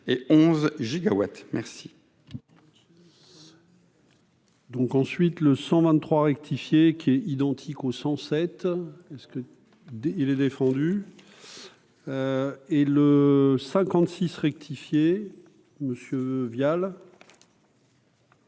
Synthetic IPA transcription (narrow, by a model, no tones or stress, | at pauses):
eɔ̃zʒiɡawa̰t̪mɛʁsi̥ | d̪ɔ̃kɑ̃sɥit̪ləsɑ̃vɛ̃nt̪ːχwaʁɛk̚t̪ʰifjekʲʰiɛid̪ɑ̃t̪ʰikosɑ̃sɛt̪ɛskə | ilɛd̪efɑ̃d̪y | eləsɛ̃kɑ̃t̪sisʁɛk̚t̪ʰifje | məsjøvjal